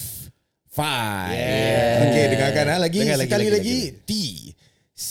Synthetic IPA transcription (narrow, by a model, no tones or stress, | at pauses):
fa | okedəŋakanalaɡisəkalilaɡit̪i | s